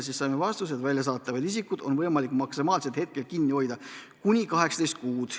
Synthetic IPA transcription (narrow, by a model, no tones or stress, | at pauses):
sisːɑjmevɑst̪use̞d̪̥vælʲjɑs̬ɑːt̪ːˑɑvɑd̪is̬ikːˑud̪̥o̞nvɤjmɑlikːˑmɑksimɑːlset̪he̞t̪̚ke̞lkinːio̞jd̪̥ɑ | kunʲikɑɦe̞ksɑt̪ejst̪̚kuːd̪̥